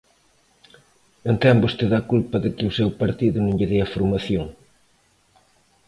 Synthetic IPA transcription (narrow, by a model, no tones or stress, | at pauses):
ent̪ɛmbost̪eðɐkulpɐðɪkɪusewpɐɾt̪iðʊnũŋʎeðeɐfuɾmɐθjoŋ